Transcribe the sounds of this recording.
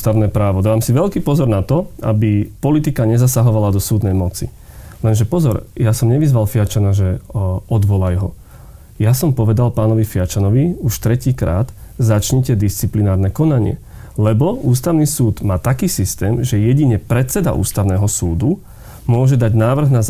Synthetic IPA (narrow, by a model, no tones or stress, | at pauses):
t̪aʊnɛːpɾaːʋɔd̪aːʋaːmsiʋɛlkiːpɔzɔɾnat̪ɔa̰bipɔlit̪ikaɲɛzasaɦɔʋalad̪ɔsuːd̪nɛjmɔt͡sḭ | lɛnʒɛpɔzɔɾjasɔmɲɛʋizʋalfiat͡ʃanaʒɛɔd̪ʋɔlajɦɔ | jasɔmpɔʋɛd̪alpaːnɔʋifiat͡ʃanɔʋiuʃt̪ɾɛciːkɾa̰ːd̪̥zat͡ʃɲɛcɛd̪ist͡siplinaːɾnɛkɔnaɲɪɛ̰ | lɛbɔuːst̪aʊnisuːd̪maːt̪akiːsist̪ɛːmʒɛjɛɟiɲɛpɾɛt̪t͡sɛd̪a̰ʔṵːst̪aʊnɛːɦɔsuːd̪u | mʊɔʒɛd̪aɟnaːʋr̩ɣnaz